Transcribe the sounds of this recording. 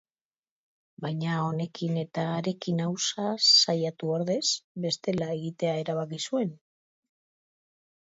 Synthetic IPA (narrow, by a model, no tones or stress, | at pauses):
bajɲao̞ne̞kine̞t̪aːɾe̞kinawsasajat̪uoɾðe̞sbe̞st̪e̞lae̞ɣit̪e̞ae̞ɾaβ̞akisue̞n